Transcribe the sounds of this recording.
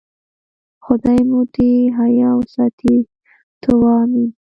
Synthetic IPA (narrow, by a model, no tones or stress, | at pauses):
xʊd̪ɑjmut̪eɦajɑwsɑt̪ʰi | t̪ʰʊwɑmin